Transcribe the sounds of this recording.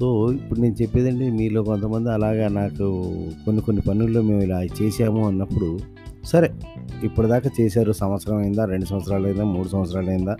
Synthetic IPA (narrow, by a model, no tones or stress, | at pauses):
so̞ːipːuɽune̞ːnut͡ʃe̞pːeːd̪ɐɳɖeːmiːlo̞ːko̞nt̪ɐmɐnd̪iɐlaːɡaːnaːkukonːiko̞nːipɐnulːo̞ːme̞ːmilaːit͡ʃeːʃaːmuɐnːɐpːuɽu | sɐɾeːipːuɽud̪aːkaːt͡ʃeːsaːɾusɐmʋɐt̪sɐɾɐmɐjind̪aːɾe̞ɳɖus̬ɐmʋɐt̪sɐɾaːlɐjind̪aːmuːɽusɐmʋɐt̪sɾaːlɐjind̪aː